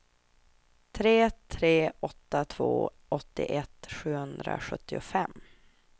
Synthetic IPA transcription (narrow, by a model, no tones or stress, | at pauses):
t̪ʰɾeːt̪ʰɾeːɔt̪ːat̪ʰvo̰ː | ɔt̪ːɪ̰ʔɛt̪ɧʉ̟ːhɵnd̪ɾa̰ɧɵt̪ːɪʊfɛmː